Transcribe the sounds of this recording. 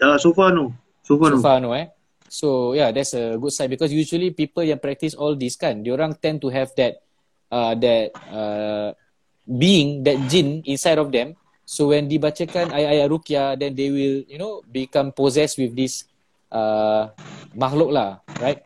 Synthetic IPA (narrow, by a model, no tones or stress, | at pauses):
asofano | sofanofanoa | sojadɛtsəɡudsaɪnbikɔs̬jud͡ʒuəlipipəlkɛ̃npɹɛk̚tisɔldiskãndoɾãŋt̪ɛ̃ntuɦɛvdɛt̚ | ʔadɛt̚ə | biĩŋdɛt̚d͡ʒĩnĩnsajɾɔfdɛ̃m | sowɛ̃ndibat͡ʃəkãnajajaɾukiadɛ̃ndewiljunobikãmpɔzɛst̚wifdis | ʔə | maxlok̚laɹajt̚